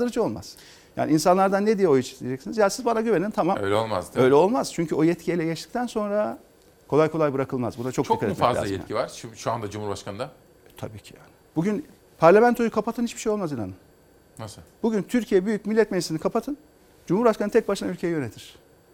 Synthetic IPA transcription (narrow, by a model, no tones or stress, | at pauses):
ɯɾɯd͡ʒɯo̞lˠma̰z̥ | ja̰ːniinsanlˠaɾd̪anːed̪ijɛo̞jut͡ʃʰi̥st̪ʰʲːijed͡ʒɛcsinizjaːnsizbanaɟyvenint̪ʰamamø̰jlʲɛolˠma̰zd̪ø̞jlʲɛo̞lˠmaz̥t͡ʃʰyɲcʰyo̞jɛt̪cʰijijlʲɛɟɛt͡ʃd̪i̥c̚t̪ʰænso̞nɾa | kʰo̞lˠajkʰo̞lˠajbɯɾakʰɯlˠmazbunat͡ʃʰokt͡ʃʰikʰaɾɛɛazlʲa̰ajɛ̰t̪civaɾʃʃuand̪ad͡ʒumuɾbaʃkʰand̪a | t̪ʰa̰biːcʰi̥ja̰ːnɪbuɟyn | pʰaɾlʲamænt̪ʰo̞jukʰapat̪ɯnhit͡ʃʃbiʃejo̞lˠmazinanɯm | nasɯb̥uɟʲynt̪ʰyɾcʰijɛbyjyc̚milʲːɛt̪̚meʒisinikʰapat̪ʰɯn | d͡ʒumhuɾbaʃkanɯnt̪ʰɛc̚baʃɯnaylʲcʰejɛjø̞net̪ʰiɾ̥